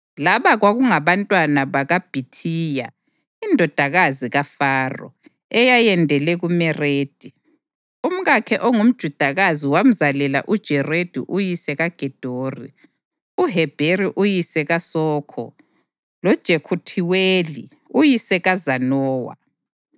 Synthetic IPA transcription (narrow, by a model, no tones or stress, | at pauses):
laβaɣwaɣuŋaβantʼwanaβaɣab̥ʱitʰiːja̰ | indʱɔd̥ʱaɣaziɣafaːrɔ̰ | ɛjajɛndʱɛlɛɣumɛreːd̥ʱi | um̩ɣakʰɛʔɔŋum̩d̥ʒ̥ʱud̥ʱaɣaziwam̩zalɛla̰ʔud̥ʒ̥ʱɛred̥ʱḭʔujisɛɣaɡ̥ʱɛd̥ʱoːrḭ | uɦɛb̥ʱeɾiʔujisɛɣasɔːkʰɔ̰ | lɔd̥ʒ̥ʱekʰutʰiweli | ujisɛɣazanɔːwa̰